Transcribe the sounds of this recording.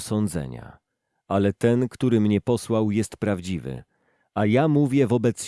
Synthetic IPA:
sɔnd̪zɛ̰ɲa̰ | alɛt̪ɛnkt̪uɾɘmɲɛpɔswawjɛst̪pɾavd͡ʑivɘ̰ | ajamuvʲjɛvɔbɛt̪s

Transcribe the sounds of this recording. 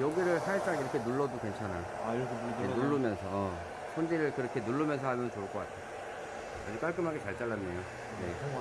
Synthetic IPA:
joɡiɾɯɭsʰaet͡ɕ͈aŋiɾʌkʰenuɭːʌdukwe̞nt͡ɕʰana̰ | aiɾʌkʰeenuɭːumjʌnsʰʌʌ | sʰond͡ʑiɾɯɭkɯɾʌkʰe̞nuɭːumjʌns̬ʰʌɦamjʌnst͡ɕoɯɭk͈ʌk͈atʰe | a̰d͡ʑuk͈aɭk͈ɯmɦaɡet͡ɕaɭt͡ɕ͈aɭːanːejo | ne̞

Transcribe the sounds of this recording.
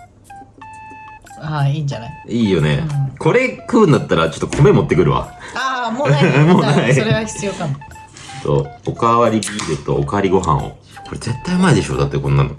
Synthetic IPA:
aiːɲd͡ʑanaiiːjo̞ne̞̰kʰo̞ɾe̞kɯ̟̃ːnd̪at̪ːaɾat͡ɕo̞t̪ːokʰo̞me̞mo̞t̪ːe̞kɯ̟ɾɯ̟βa̰amomoːnaiɾeɡaçi̥t͡sɨjoːk̪amo | t̪o̰okaβaɾʲibʲiːɾɯt̪o̞ːkaβaɾʲiɡo̞ɦã̰ɰ̃o̞̰ | ko̞ɾe̞ze̞t̪ːaimaid̪e̞ɕo̞̰ːd̪at̪ːekõ̞nːano̞̰

